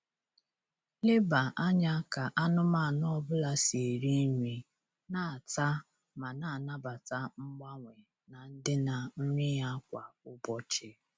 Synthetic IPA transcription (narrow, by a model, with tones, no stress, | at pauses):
lɪ˦ba˨ʔa˦ɲa˦ka˨ʔa˦nʊ˦ma˦˨nɔ˦ɔ˦bʊ˦la˦se˨ɾi˦ŋʷi˨ | na˦˨ta˦ | ma˨na˨na˦ba˨ta˦ŋ͡m̩˦ɡ͡ba˦ŋʷe˨ | na˨n̩˦dɪ˦na˨n̩˦ɲɪ˦ja˦kʷa˨ʊ˦bɔ˦t͡ʃɪ˦